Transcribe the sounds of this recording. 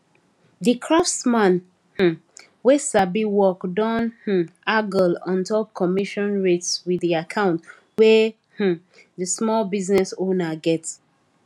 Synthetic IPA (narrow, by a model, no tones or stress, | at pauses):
ðikʰɹafsmãn | h̩ | wɛsabiwɔkdɔ̃nh̩aɡɔlɔ̃ntɔkʰɔmiʃɔ̃nɹetswiðiakʰãʊ̃nt | wɛ | h̩ | ðəsmɔlbiznɛsõnaɡɛts